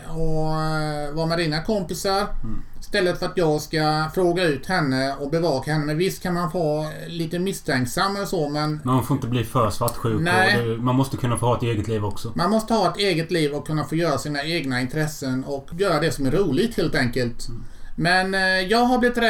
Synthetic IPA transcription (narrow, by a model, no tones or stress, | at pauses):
ɔ | vɑmaɾiːnakʰɔmpɪsaɾst̪ɛlːət̪fœɾat̪jɑːɡskafɾoːɡaʉ̟ːt̪hɛnːəɔbɛvɑːkahɛnːəmɛvɪst̪kʰanmanfɑː | liːt̪əmɪst̪ʰɛŋksamːɛlʂomɛnmanfoːɾɪnt̪əbliːfœːɾsvaʈːɧʉ̟ːknɛɪɛmanmɔst̪əkʰɵnːafoːhɑːɛt̪eːɡət̪liːvɔksɔmanmɔst̪əhɑːɛt̪eːɡət̪liːvɔkʰːɵnːafoːjœːɾasiːnaeːɡnaɪnt̪ɾɛsːənɔkjœːɾad̪ɛsɔmæɾuːlɪɡt̪heːlt̪ɛŋkəlt̪mɛnjɑːɡɦablɪvɪt̪ɾɛ